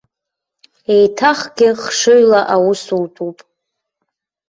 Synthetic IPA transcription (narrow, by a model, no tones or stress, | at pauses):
ejtʰaχɡʲɪχʂɨɥlaʔawʊsultʰʼupʼ